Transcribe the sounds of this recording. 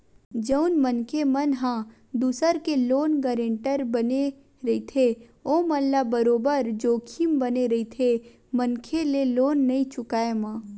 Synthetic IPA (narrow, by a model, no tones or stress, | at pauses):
d͡ʒəʊnmənkʰemɐnɦã | d̪uːsəɾkeloːnɡəɾẽɳʈəɾbəne | ɾɐit̪ʰe | oːməlːabəɾoːbəɾd͡ʒoːkʰimbɐneɾɐit̪ʰe | mənkʰeleloːnːɐĩt͡ʃʊkaːemãː